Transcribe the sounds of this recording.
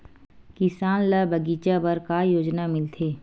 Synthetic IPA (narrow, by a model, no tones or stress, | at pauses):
kɪsaːnlabəɡiːt͡ʃabɐɾkajoːd͡ʒnamɪlt̪ʰeː